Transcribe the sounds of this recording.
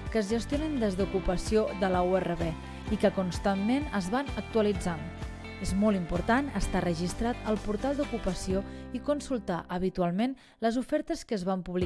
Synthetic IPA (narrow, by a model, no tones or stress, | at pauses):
kəzʒəst̪ionind̪ezðukupəsioðələuerəβe | ikəkunst̪amːenəzβanək̚t̪uəlid͡zan | ezmɔlˠimpuɾt̪anəst̪arəʒist̪ɾat̪əlˠpuɾt̪alˠd̪ukupəsioikunsulˠt̪a̰ʔəβ̞it̪ualˠmen | ləzufɛɾt̪əskəzβampuβli